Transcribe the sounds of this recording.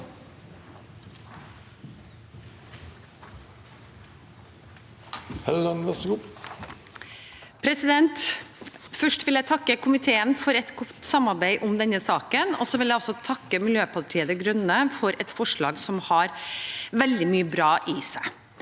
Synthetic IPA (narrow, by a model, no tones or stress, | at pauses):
hɛlənʋɛsɡu | pʰɾɛsɪd̪ɛnt̪ | fœʂʈʋɪljæɪt̪ʰɑkːəkʰʊmɪt̪ʰeːənfɔɾɛt̪ɡʊt̪sɑmɑɾbæɪʔʊmd̪ɛnəsɑːkənɔsɔʋɪljæɪɔsɔt̪ʰɑkːəmɪljøːpʰɑʈʰiːəd̪əɡɾʉnəfɔɾɛt̪fɔʂɭɑːɡsɔmhɑɾʋɛld̪ɪmyːəbɾɑːʔisæɪ